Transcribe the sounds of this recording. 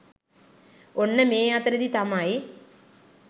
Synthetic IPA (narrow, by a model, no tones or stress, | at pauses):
onːɐmeːjaːt̪ɾɐd̪it̪amaːji